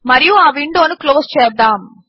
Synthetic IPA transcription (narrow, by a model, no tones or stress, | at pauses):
mɐɾijuaːʋiɳɖoːnukloːst͡ʃeːd̪aːm